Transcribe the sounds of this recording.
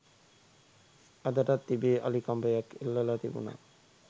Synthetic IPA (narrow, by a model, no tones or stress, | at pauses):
ad̪aʈat̪ːibeːʔa̰likambejakelːalat̪ibṵna̰